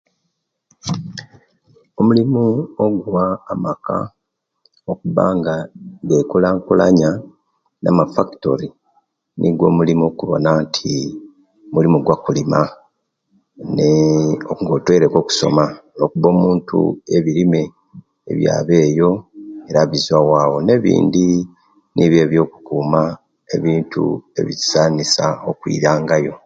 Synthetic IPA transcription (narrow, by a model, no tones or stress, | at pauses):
o̞mulimuo̞ɡwaːmaka̰ | okuβa̰ːŋɡaɡe̞kulaːŋkula̰ɲa | na̰mafaki̥to̞̰ɾi | nʔḭɡwo̞̰ːmulimo̞kuβo̞̰naːntʰi | mulimoɡwakulima | neoŋɡo̞tweɾeko̞ku̥so̞̰mano̞kuβo̞ːmuːntṵe̞βiɾime̞̰ː | βja̰ːβe̞ːjo̞e̞ɾaβizwawaːwo̞ne̞βḭːndi | niβje̞ːβjo̞ːku̥kuːma | e̞̰βiːntṵe̞̰βii̥saːnisaokwḭːɾaːŋɡajo̞